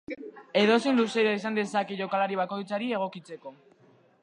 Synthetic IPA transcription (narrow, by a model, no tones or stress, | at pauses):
e̞ðo̞senluseɾaisand̪e̞sakeʝo̞kalaɾiβ̞ako̞jt͡saɾie̞ɣ̞o̞kit͡se̞ko̞